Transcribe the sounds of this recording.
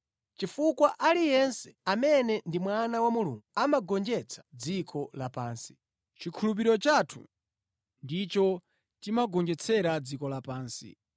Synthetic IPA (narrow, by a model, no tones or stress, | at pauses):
t͡ʃifukwaʔalijɛnsɛ̥amɛnɛndimwanawamuluŋɡuamaɡɔnd͡ʒɛt͡sʰḁd͡zikʰɔlapaːnsi̥ | t͡ʃikʰulup̬iɾɔt͡ʃatʰṵ | ndit͡ʃɔ | timaɡɔnd͡ʒɛt͡sʰɛɾad͡zikɔlapaːnsḭ